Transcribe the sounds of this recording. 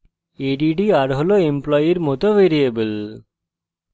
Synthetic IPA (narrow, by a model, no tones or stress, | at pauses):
eɖiɖiaɾɦɔloemplɔːjiɾmɔt̪oʋeːɾiɐbɨl